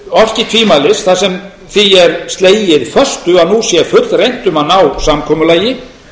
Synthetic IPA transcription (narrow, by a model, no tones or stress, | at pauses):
ɔfcɪt̪ʰviːmalɪsθasɛm | θiɛɾst̪leːjɪðfœr̥st̪ʏaðnusjɛfʏt̪lrejn̥t̪ʏmanawsamkʰɔːmʏlaːjɪ